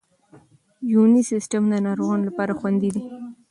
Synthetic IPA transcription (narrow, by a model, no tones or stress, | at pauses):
junisɪsʈəmd̪ənɑɾoɣɑnlapɑɾaxwand̪id̪i